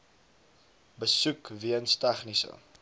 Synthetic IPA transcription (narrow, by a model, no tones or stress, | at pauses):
bəsukviənstɛχnisə̰